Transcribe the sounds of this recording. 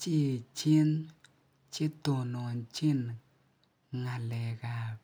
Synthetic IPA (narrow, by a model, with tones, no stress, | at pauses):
t͡ʃi˦˧t͡ʃi˦n | t͡ʃe˦t̪o˨no˨nt͡ʃi˦n | ŋa˧lɛ˨ɡa˧